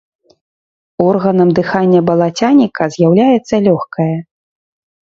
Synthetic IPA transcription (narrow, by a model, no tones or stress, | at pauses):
ɔrɣɐnɐmd̪ɨxanʲːɐbɐlˠat͡sʲanʲikɐzʲjawlʲajɛt̪sːɐlʲɔxkɐjɐ